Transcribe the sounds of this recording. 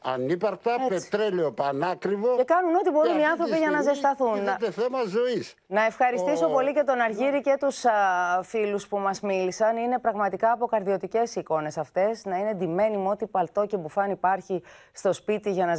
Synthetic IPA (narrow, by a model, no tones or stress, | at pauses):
ɐ̰nipɐɾt̪ɐepet̪ɾeleopɐnɐkɾivoekɐnuno̞t̪ibo̞ɾuniɐnθɾo̞piʝɐnɐzest̪ɐθunt̪eθemɐzo̞is | nɐe̞fxɐɾist̪isopo̞lice̞t̪o̞nɐɾʝiɾice̞t̪usfiluspumɐzmilisɐnine̞pɾɐɣmɐt̪ikɐːpo̞kɐɾðio̞t̪ice̞siko̞ne̞sɐft̪e̞snɐine̞d̪ime̞nimo̞t̪ipɐlt̪o̞cebufɐnipɐɾçi | st̪o̞spit̪iʝɐnɐz